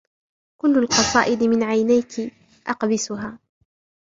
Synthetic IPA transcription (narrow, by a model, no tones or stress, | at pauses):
kʊlːalqɑsˤɑ̰ːʔɪd̪mɪnʕajnajkɪ | ʔɑqbɪsʊɦaː